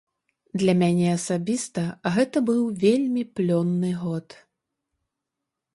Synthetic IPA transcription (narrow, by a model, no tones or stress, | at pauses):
d̪lʲɐmʲanʲɛɐsabʲist̪ɐɣɛt̪ɐbɨwvʲelʲmʲiplʲɔnːɨɣɔt̪